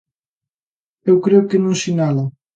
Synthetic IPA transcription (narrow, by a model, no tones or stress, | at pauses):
ewkɾeʊkɪnũŋsinalɐ